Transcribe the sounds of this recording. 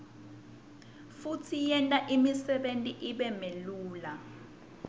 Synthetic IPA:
futʰijɛntʼaʔimisɛɓentʼiʔiɓɛmeluːla

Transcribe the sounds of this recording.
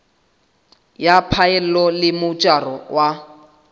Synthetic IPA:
japʰaɛl̩lɔlɪmʊt͡ʃʼarɔwʔa

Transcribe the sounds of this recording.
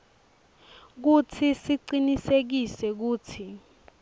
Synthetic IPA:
k̬utʰisiǀinisek̬isɛk̬uːtʰi

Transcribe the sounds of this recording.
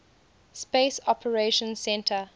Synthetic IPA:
spesɔpʰəɹeʃə̃nsɛ̃ntʰə

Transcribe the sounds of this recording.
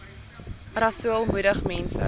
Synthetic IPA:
rɐsuəlˠmuɾəχmɛnsə̰

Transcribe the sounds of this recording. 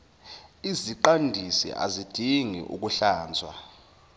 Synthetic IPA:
iziǃandʱisḭʔa̰zid̥ʱiŋḭʔṵk̬uɬaːnd͡zʱwa̰

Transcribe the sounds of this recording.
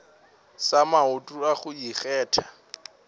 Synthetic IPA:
samaʊtʼuaχʊiχɛːtʰa

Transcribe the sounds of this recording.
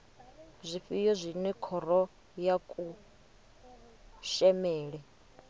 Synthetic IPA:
zʷifijɔzʷinɛkʰɔɾɔ | jakʼu | ʃɛmɛːɺɛ

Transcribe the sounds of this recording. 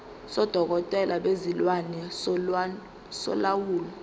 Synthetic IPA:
sɔd̥ʱɔk̬ɔtʼɛlʔaɓezilwanɛ | sɔ̰lawuːlɔ

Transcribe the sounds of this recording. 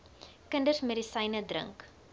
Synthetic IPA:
kəndərsmedisɐjnədrə̰ŋk

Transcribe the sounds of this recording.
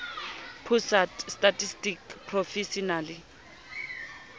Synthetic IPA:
pʰusatstʼatʼistʼikpʰrɔfɛsɔnalɪ

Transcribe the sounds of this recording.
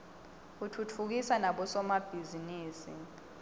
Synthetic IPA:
utʰutʰuk̬isanaɓɔsɔmab̥ʱiziniːsḭ

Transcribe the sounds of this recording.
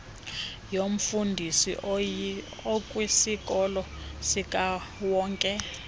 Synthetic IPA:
jom̩fundʱisḭ | ɔkʼwisik̬ʼɔlɔ | sikʼawɔːŋkʼɛ

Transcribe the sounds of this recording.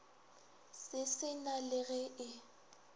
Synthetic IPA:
sɪsɪnalɪɣɛɪ

